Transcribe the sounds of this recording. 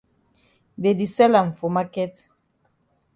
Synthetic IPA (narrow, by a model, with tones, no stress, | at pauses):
de˨di˨sɛ˦la˨ɱ̩˨fo˨ma˦kɛ˦t